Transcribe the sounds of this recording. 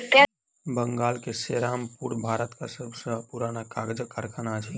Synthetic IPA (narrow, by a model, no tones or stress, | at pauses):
kɛ | bəŋɡaːlkeseːɾaːmpuːɾbʱaːɾət̪ka̰səbʱsəapuɾaːnakaːɡd͡ʒəkːəɾkʰːnat͡ʃʰɛ